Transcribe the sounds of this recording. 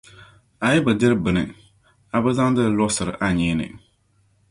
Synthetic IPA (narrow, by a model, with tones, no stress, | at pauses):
a˨jɛ˦bɨ˨dɪ˦ɾɨ˦bɨ˨nɨ̰˨ | a˨bɨ˦za˦ŋ˦dɨ˦˨˦lɔ˦sɨ˨ɾɨ˨ʔa˦ɲɛː˦nɨ̰˨